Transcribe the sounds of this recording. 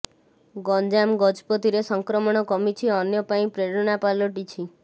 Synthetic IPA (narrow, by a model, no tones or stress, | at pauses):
ɡɔnd͡ʒamɡɔd͡ʒpɔt̪iɾesɔŋkɾɔmɔɽ̃ɔkɔmit͡ʃʰiɔnjɔpaĩpɾeɾɔnapalɔʈit͡ʃʰi